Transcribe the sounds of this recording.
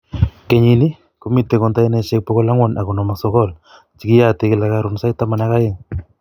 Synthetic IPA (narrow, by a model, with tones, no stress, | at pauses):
ke˨ɲi˨ni˦ | ku˨mi˦tːe˨kɔ˨nta˦jne˦ʃe˦k̚pɔ˦ɣɔ˦la˦ŋwɔ˨nʔa˨ku˨nɔ˨ma˨sɔ˦kɔ˦l | t͡ʃi˨ki˦ja˦te˦kɪ˦˨la˨˦ka˦ɾʊ˨nsa˦ita˦ma˨na˦ka˦jɪ˨ŋ